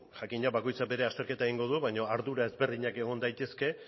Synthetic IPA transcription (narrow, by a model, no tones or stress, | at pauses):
ʝakiɲaβako̞jt͡sabe̞ɾe̞ast̪e̞ɾke̞t̪aeɣiŋɡo̞ð̞uβajɲo̞aɾðuɾae̞zβe̞ɾðiɲake̞ɣ̞o̞nd̪ajt̪e̞ske̞